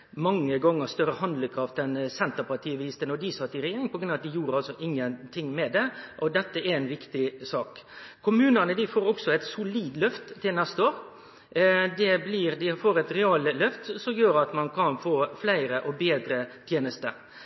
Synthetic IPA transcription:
mɑŋːəɡɑŋːəɾst̪œɾəhɑnd̪ləkʰɾɑft̪ɛnsɛnt̪əɾpɑʈʰiːəʋɪɪst̪ənɔd̪ɪsɑt̪ːɪɾɛjeːɾɪŋpɔɡɾʉnɑʋɑt̪d̪ɪjuːɾəɑlsɔʔɪŋːənt̪ʰɪŋmɛd̪ɛʔɔd̪ɛt̪ːəɛɾæɪnʋɪkt̪ɪsɑːkʰːʊmʉːnənəd̪ɪfoːɾɔksɔɛɪt̪sʊliːd̪lœft̪t̪ʰːɪlnɛst̪əoːɾ | d̪ɛbliːɾd̪ɪfoːɾɛt̪ɾɛɑːllœft̪sɔmjøːɾɑt̪mɑnkʰɑnfoːflæɪɾəʔɔbeːd̪ɾət̪ʰjeːnəst̪ə

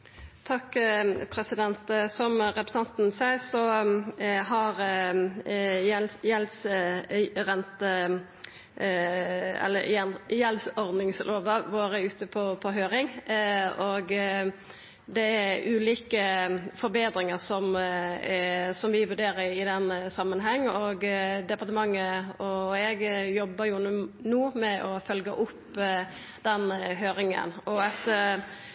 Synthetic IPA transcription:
t̪ʰɑkːpʰɾɛsɪd̪ɛnt̪sɔmʁɛpɾɛsɛnt̪n̩sæɪsɔ | ɦɑɾ | ɛjɛls | ʁɛnt̪ə | ɛ̰lːə̰jɛnjɛlsɔɾd̪nɪŋslʔoːʋəʋoːɾəʉːt̪əpʰɔpʰɔɦøːɾɪŋ | oɡ | d̪ɛæɾʉːliːkəfɔɾbeːd̪ɾɪŋəɾsɔm | sɔmʋɪʋʉɾɖeːɾəɾɪd̪ɛnːəsɑmːənɦɛŋːɔɡd̪ɛpɑɾt̪əmɑŋːəɔɛɡjɔbːəɾjʊnuːmɛʔɔfœlɡəʔʊpː | d̪ɛnɦøːɾɪŋə̰nɔɑt̪

